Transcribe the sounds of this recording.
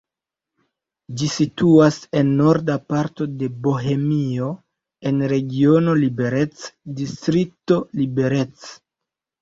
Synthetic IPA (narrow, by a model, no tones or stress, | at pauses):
d͡ʒisituase̞nːo̞ɾdapaɾto̞de̞bo̞ɦe̞mio | e̞nɾe̞ɡio̞no̞libe̞ɾe̞t͡sdistɾik̚to̞libe̞ɾe̞t͡s